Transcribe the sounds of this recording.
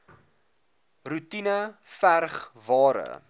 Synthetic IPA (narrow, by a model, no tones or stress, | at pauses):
rutinəfærχvɑːɾə̰